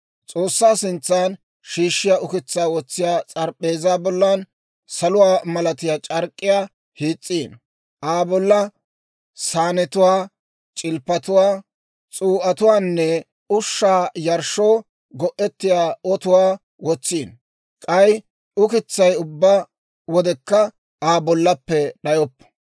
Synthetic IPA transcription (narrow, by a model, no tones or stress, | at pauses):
t͡sʼoːsːaːsɪnt͡sːaːn | ʃiːʃːɪjaːʊkɪt͡sːaːwɔt͡sːɪjaːt͡sʼɐɾpʼːeːzaːbɔlːan | sɐlʊwaːmɐlɐt̪ɪjaːt͡ʃʼɐɾkʼːɪjaː | hiːt͡sʼːiːn | ʔaːbɔlːɐ | saːnɛt̪ʊwaː | t͡ʃʼɪlpːɐt̪ʊwaː | t͡sʼuːʔɐt̪ʊwaːnːɛ | ʊʃːaːjɐɾʃoː | ɡɔʔːɛt̪ːɪjaːɔt̪ʊwaː | wɔt͡sːiːn | kʼɐj | ʊkɪt͡sːɐjʊbːaː | wɔd̪ɛkːɐ | ʔaːbɔlːɐpːɛɗɐjɔpː